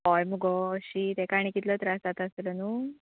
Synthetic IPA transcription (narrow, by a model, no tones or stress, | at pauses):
ɔjmuɡɔɕit̪ekaɽ̃ikit̪lət̪ɾast̪at̪aslənuː